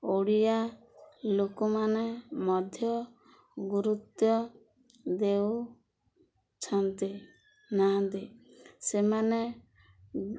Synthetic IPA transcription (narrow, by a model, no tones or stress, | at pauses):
oɽija | lokɔmanemɔd̪ʱjɔ | ɡuɾut̪jɔ | d̪ew | t͡ʃʰɔnt̪i | naɦãnt̪isemane